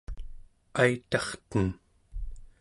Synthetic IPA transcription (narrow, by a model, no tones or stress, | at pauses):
ajt̪ɑχt̪ən